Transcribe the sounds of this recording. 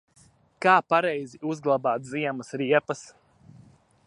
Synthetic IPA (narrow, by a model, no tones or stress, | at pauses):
kaːpaɾɛjziʔuzɡlˠabaːt̪ziɛmɐsɾiɛpɐs